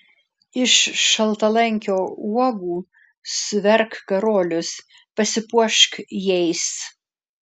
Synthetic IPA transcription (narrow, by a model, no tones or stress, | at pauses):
ɪʃːɐlˠt̪ɐlˠɛŋʲkʲoːuɔɡuː | sʊʋʲɛɾkkɐɾoːlʲʊs | pɐsʲɪpuɔʃkjɛɪs